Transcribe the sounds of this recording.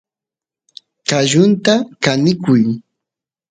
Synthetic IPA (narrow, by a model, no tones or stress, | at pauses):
kaʒʊnt̪akanɪkʊj